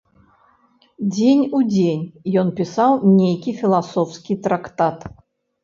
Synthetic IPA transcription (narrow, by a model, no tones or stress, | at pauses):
d͡zʲenʲud͡zʲenʲjɔnpʲisawnʲejkʲifʲilˠasɔwskʲit̪ɾakt̪at̪